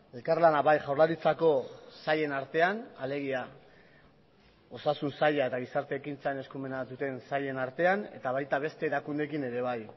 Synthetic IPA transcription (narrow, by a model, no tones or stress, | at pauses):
e̞lkarlanaβajʝawrlaɾit͡sako̞saʎe̞naɾt̪e̞anale̞ɣ̞ia | o̞sasunsaʎae̞t̪aɣ̞isaɾt̪e̞ːkint͡saene̞skume̞nat̪ut̪e̞nsaʎe̞naɾt̪e̞ane̞̰t̪aβ̞ajt̪aβ̞e̞st̪e̞ːɾakund̪e̞kine̞ɾe̞β̞aj